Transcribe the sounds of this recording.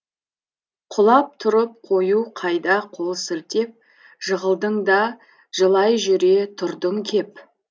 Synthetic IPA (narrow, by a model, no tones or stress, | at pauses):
qʰʊlˠɑp̚t̪ʰʊɾəp̚qʰo̞juqʰɑjd̪ɑqʰolˠsɪlt̪e̞p̚ | ʒ̥əʁəlˠd̪əɴd̪ɑ | ʒ̥əlˠɑjʒʏɾe̞t̪ʰʊɾd̪əŋkʲʰe̞p